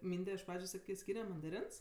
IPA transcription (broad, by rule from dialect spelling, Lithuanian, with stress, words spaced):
ˈmʲiːnʲdʲɛ ɪʃ ˈprɑːd͡ʒʲʊ ˈsɑːkʲeː ˈsʲkʲiːnʲɛ mɐndɐˈrʲɪns